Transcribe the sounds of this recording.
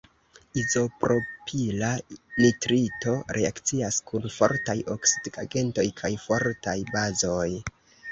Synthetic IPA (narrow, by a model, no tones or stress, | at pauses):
izo̞pɾo̞pʰilanitɾito̞ɾʔe̞akt͡siaskunfo̞̰ɾtajʔo̞ksidɡaɡe̞nto̞jkʰajfo̞ɾtajbazo̞j